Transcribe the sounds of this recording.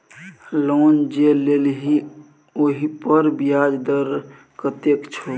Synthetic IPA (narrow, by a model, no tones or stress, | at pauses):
lond͡ʒelelɦi | oɦipəɾbijad͡ʒd̪əɾ | kət̪ekt͡ʃʰo